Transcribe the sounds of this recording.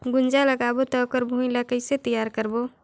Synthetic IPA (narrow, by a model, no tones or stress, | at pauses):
ɡʊnd͡ʒaləɡabot̪əkəɾbʱuĩlakəɪset̪əjaɾkəɾbo